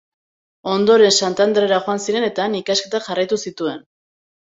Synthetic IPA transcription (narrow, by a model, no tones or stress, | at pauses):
o̞nd̪o̞ɾe̞nsant̪and̪ɾeɾaxo̞ansiɾe̞ne̞t̪aːnikaske̞t̪aʝarajt̪usit̪ue̞n